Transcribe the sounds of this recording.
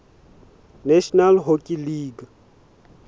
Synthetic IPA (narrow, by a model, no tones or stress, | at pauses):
nɛʃɔnalɦokʼiliːɡa